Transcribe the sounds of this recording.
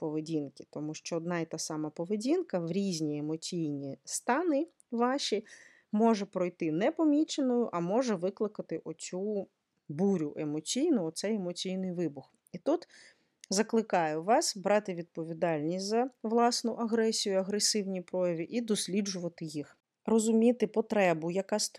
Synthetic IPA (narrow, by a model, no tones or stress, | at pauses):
pɔʋedʲinkʲɪ̥t̪ɔmuʃt͡ʃɔːd̪nɑit̪ɑsɑmɐpɔʋedʲinkɐʋɾʲizʲnʲiemɔt͡sʲijnʲist̪ɑnɪ | ʋɑʃʲi | mɔʒɛpɾɔjt̪ɪnɛpɔmʲit͡ʃenɔjʊʔɐmɔʒɛʋɪklˠɪkɐt̪ɪʔɔt͡sʲu | buɾʲʊʔemɔt͡sʲijnʊɔt̪sɛjemɔt͡sʲijnɪjʋɪbʊx | it̪ut̪ | zɐklˠɪkɑjʊʋɑsbɾɑt̪ɪʋʲid̪̚pɔʋʲid̪ɑlʲnʲisʲtʲzɐʋlˠɑsnʊʔɐɦɾɛsʲijʊɐɦɾesɪwnʲipɾɔjɐʋʲiʔid̪ɔsʲlʲid͡ʒʊʋɐt̪ɪjix | rɔzʊmʲit̪ɪpɔt̪ɾɛbʊjɐkɑst̪